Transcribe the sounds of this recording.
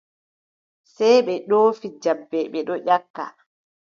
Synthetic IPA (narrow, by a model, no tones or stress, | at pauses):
sɛjɓɛɗoːfid͡ʒabːɛɓɛɗɔʔakːa̰